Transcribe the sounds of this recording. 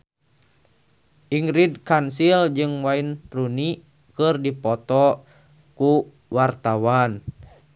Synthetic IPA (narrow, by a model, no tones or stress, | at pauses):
ʔiŋɾidkansild͡ʒɨŋwainruni | kɨrdipɔt̪ɔ | ku | wart̪awan